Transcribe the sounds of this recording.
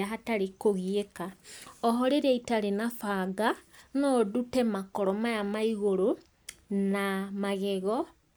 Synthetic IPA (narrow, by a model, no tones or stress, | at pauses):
aɦataɾekoɣiekaɔɦɔɾeɾɛitaɾenafaɡanɔdutɛmakɔɾɔmajamaiɣoɾo | namaɣeɣɔ